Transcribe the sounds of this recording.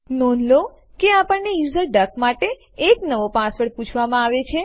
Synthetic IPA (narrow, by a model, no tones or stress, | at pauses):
nɔnlo | keapəɳnejuzəɾɖəkmaʈeː | knəʋopãsʋəɽput͡ʃʰʋamãaʋet͡ʃʰe